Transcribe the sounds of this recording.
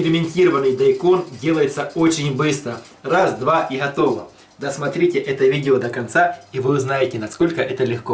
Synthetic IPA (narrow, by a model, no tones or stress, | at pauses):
ɾʲɪmʲɪnʲtʲiɾəvənːɨjd̪ɐɪko̞ndʲe̞lˠəjɪt̪səot͡ɕɪnʲbɨst̪ɾə | razd̪vaʔiɣɐt̪o̞və | d̪ɐsmɐt̪ɾʲitʲɪʔɛt̪əvʲidʲɪod̪əkɐnt̪saivɨznajɪtʲɪnɐsko̞lʲkəʔɛt̪əlʲɪxko